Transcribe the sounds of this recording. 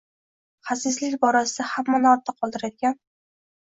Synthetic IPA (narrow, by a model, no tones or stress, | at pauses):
χasɪzlɪkʲbɒɾasɪd̪ahamːanɒɾt̪ʰaqʰɒlˠd̪ɪɾad̪ɪɡʲan